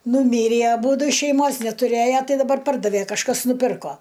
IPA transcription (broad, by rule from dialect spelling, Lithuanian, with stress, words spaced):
nuːˈmʲiːrʲiː ɐˈbuːdʊ ʃʲɛɪˈmoːs nʲɛtʊˈrʲeːjɛ ˈtɐɪ dɐˈbɐr ˈpɐrdɐʋʲeː kɐʃˈkɐs nʊˈpʲɪrkoː